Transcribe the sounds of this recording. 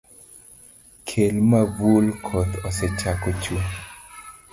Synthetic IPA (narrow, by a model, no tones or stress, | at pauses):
kʰelmavulkʰɔt̪ɔsɛt͡ʃakot͡ʃwo